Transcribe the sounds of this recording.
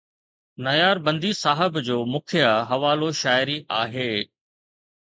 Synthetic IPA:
nɐjaːɾbɐ̃nd̪isaːɦɪbd͡ʑoːmʊkʰijaɦɐʋaːloʃaːɪɾiʔaːɦeː

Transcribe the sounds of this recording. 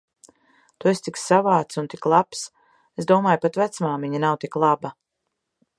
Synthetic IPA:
t̪uest̪ikssavaːt̪sunt̪iklˠaps | esd̪uɔmaːjpat̪væt̪smaːmiɲanawt̪iklˠaba

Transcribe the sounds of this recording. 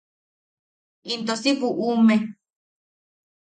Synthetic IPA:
int̪osiβuʔume

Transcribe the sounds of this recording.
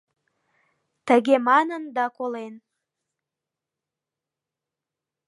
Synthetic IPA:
t̪əɣemɑnənd̪ɑkolen

